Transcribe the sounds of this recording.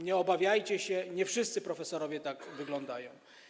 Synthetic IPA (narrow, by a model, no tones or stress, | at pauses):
ɲɛɔbavʲjajt͡ɕɛɕɛɲɛfʂɘst̪sɘpɾɔfɛsɔɾɔvʲjɛt̪aɡvɘɡlɔnd̪ajɔ̃w̃